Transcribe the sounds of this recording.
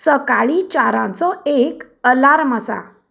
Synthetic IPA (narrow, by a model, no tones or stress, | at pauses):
səkaɭit͡ɕaɾãnt͡sɔek | əlaɾmasa̰